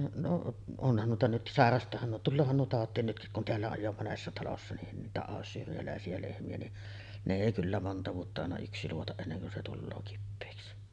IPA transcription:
noʔ onhɑn nuitɑ nyt sɑˑerɑstˑɑːhɑn nuo tulːoːhɑn nuo tɑˑotˑiːn nytkik kun teælːæ oj jo monesːɑ tɑlosːɑ nin niːtæ ɑˑosːyːriælæˑesiæ lehmiæ ni ne eˑi kylːæ montɑ ʋuotːɑ ɑˑenɑ yksi luotɑʔ ʔenːeŋ kun se tulːoː kipːeːksi

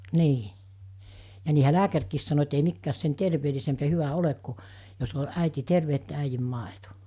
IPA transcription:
niː jɑ niːhæ læːkærkiːs sɑno et ei mikːæːs sen terʋeːlisemp jɑ hyʋæ olek ku jos o æˑiti terʋe etːæ æijim mɑˑeto

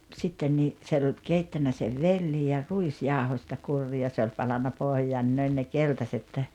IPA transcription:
sitːen niː t̆se olʲ keitːænːæ seʋ ʋelːi jɑ ruisjɑˑohosʲtɑ kurːiː jɑ se olʲ pɑlɑnːɑ pohjɑːn ni ne ol ne keltɑset

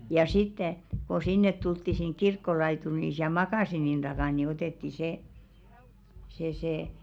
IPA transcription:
jɑ sitːe ko sinːet tultːi siŋ kirkːolɑituri ni siæl mɑkɑˑsinin d̥ɑkɑˑn ni oteˑtːi seˑ se se

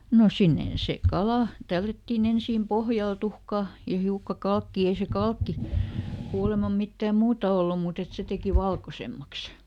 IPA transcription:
no sinːen seˑ kɑlɑˑ tælːætːiːn ensiːm pohjɑl tuhkɑˑ jɑ hiukːɑ kɑlkːiː ei se kɑlkːi kuːlemɑm mitːæːm muːtɑ olːum muˑt et se teki ʋɑlkosemːɑks

